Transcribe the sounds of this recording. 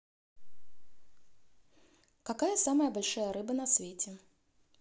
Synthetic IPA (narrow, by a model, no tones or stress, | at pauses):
kɐkajəsaməjəbɐlʲʂajəɾɨbənɐsvʲetʲɪ